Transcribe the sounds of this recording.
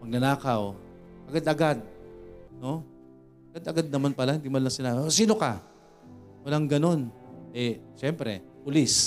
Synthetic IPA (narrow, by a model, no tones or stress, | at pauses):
mɐɡ̚nɐnaːkɐw | ʔɐɡad̪ʔɐɡad̪̚no̞ | ʔɐɡad̪ɐɡad̪̚nɐmanpɐlahɪnd̪imanlːaŋsɪnasiːno̞ka | wɐlaŋɡɐno̞nʔɛʃɛmpɾɛ̰pʊlis